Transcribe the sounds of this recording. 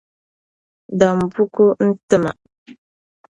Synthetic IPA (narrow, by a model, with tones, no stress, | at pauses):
da˨m˨bu˦ku˦n̩˦tɨ˦ma̰˨